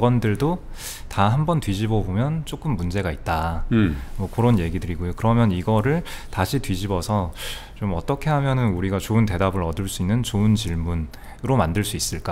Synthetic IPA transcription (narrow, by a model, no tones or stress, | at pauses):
ɡwʌndɯɭdo | taɦambʌntɥid͡ʑibʌbomjʌnt͡ɕ͈ok͈ɯmːund͡ʑe̞ɡait̚t͈a | mwʌkɯɾʌnje̞ɡidɯɾiɡojokɯɾʌmjʌniɡʌɾɯɭtaɕʰitɥid͡ʑibʌsʰʌ | t͡ɕomʌt͈ʌkʰe̞ɦamjʌnɯnuɾiɡat͡ɕoɯnte̞dabɯɾʌdɯɭs͈uinːɯnt͡ɕoɯnt͡ɕiɭmun | ɾomandɯɭs͈uis͈ɯɭk͈a